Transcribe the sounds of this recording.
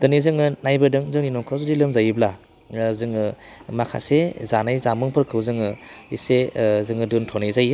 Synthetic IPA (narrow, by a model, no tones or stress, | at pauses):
dɯnizɯŋɯnajbɯdɯŋzɯŋninɔŋkʰazudilɯmzajɯbla | zɯŋɯmakʰa̰sezanajzamɯŋpʰɯɾkʰɯwzɯŋɯisezɯŋɯdɯntʰɔnajzajɯ